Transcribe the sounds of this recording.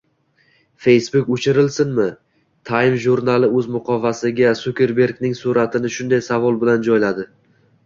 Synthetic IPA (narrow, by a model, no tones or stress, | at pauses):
fe̞jsbʊkʊt͡ʃʰɪɾɪlsɪnmɪ | t̪ʰajɪmʒʊɾnalɪɵzmʊqʰɒvasɪɡʲasʊkʲe̞ɾbe̞ɾɡʲnɪŋsʊɾat̪ʰɪnɪʃʊnd̪ajsavɒlˠbɪland͡ʒɒjlad̪ɪ